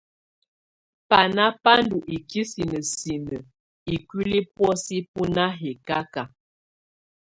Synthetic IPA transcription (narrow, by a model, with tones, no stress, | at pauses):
pa˨na˦pa˦ndu˨ʔi˨ki˦si˨nə˨si˨nə˨ | i˨ki˦li˦pwɔ˦si˦p̚u˦na˦ɦɛ˨ka˦ka˨